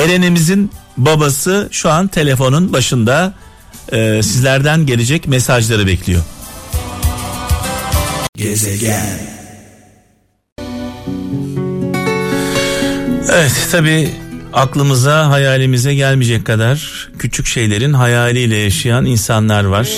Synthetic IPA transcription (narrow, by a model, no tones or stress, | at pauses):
e̞ɾenemizinbabasɯʃuant̪ʰe̞lʲe̞fo̞nunbaʃɯnd̪a | ɯːsizlʲæɾd̪ænɟe̞lʲe̞d͡ʒɛcmesaʒlˠaɾɯbɛclʲijo̞̰ | evɛt̪ːʰabiːaklˠɯmɯzaɦajaːlʲimizɛɟælʲmid͡ʒɛcʰːad̪aɾ̥ | cʰyt͡ʃʰycʃe̞jlʲe̞ɾinɦajaːlʲˠɯjlʲɛjaʃɯjaninsanlˠaɾvaɾ̥